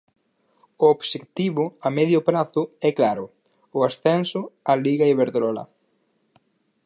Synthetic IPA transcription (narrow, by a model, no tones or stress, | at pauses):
ʊobʃekt̪iβʊamɛðjʊpɾaθʊɛklaɾʊ | ʊasθɛnsʊaliɣaiβeɾðelɔla̰